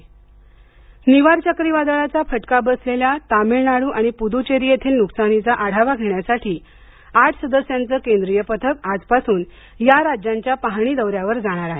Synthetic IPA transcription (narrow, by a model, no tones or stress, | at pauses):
niʋaɾt͡ɕəkɾiʋad̪ɭat͡safəʈkabəsleljat̪amiɭnaɽuːʔaɽ̃ipud̪ut͡ɕeɾijet̪ʰiːlnuksanit͡saʔaɽ̤aʋaɡʱeɳjasaʈʰiː | aʈʰsəd̪əsjant͡səːkend̪ɾijəpət̪ʰəkad͡zpasuːn | jaɾad͡ʑaɲt͡ɕjapaɦɽ̃id̪əʋɾjaʋəɾd͡zaɽ̃aɾaɦe